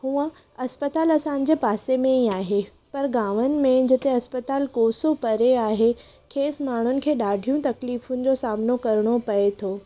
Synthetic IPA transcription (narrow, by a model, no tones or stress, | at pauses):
ɦũːə̃ | ɐspət̪aːlɐsãːɲ̆d͡ʑepaːsemẽiaːɦe | pɐɾɡaːʋənɪ̆mẽd͡ʑɪt̪eɐspət̪aːlkoːsopɐɾeaːɦe | kʰeːsmaːɳ̤ʊnɪ̆kʰeːɗaːɖʱijũt̪ɐkliːfʊnɪ̆d͡ʑosaːmnokɐɾɽ̃opɐet̪ʰoː